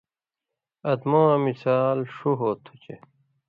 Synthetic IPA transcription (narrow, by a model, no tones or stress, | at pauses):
ɐd̪mãːmisaːlʂuɦoːt̪ʰu̥t͡ɕḛ